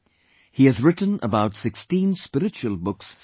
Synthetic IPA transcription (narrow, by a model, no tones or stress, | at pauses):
hiɨzɹɪʔn̩ə̰baʊtsɪkstĩnspɪɾɨt͡ʃuəlˠbʊks